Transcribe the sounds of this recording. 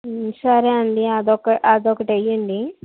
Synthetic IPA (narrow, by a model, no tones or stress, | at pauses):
sɐɾeɐɳɖiad̪ɔkɐʔad̪ɔkɐʈɐjɐɳɖi